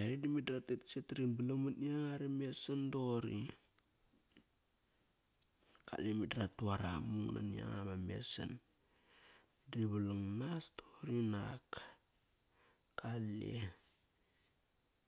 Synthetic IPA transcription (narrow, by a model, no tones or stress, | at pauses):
eɾidimidɾatetsetɾinbəlamaniaŋaɾemesandoɾi | ka̰lemidɾatuaɾamuŋna̰nia̰ŋamamḛsa̰n | diβalaŋnastoɾinak | kalḛ